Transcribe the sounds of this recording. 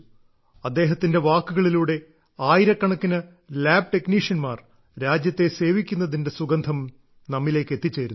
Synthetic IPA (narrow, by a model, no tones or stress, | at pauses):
ɐd̪ːe̞ːɦɐt̪ːinde̞ʋaːkːuɣɐɭiluːɽe̞ | aːjiɾɐkːɐɳɐkːinɐ | laːb̚ʈe̞kniːʂjɐnmaːr | ɾaːd͡ʑjɐt̪ːe̞se̞ːʋikʲːunːɐðinde̞suɡɐnd̪ʱɐm | nɐmːile̞ːkːe̞t̪ːit͡ɕːe̞ːɾun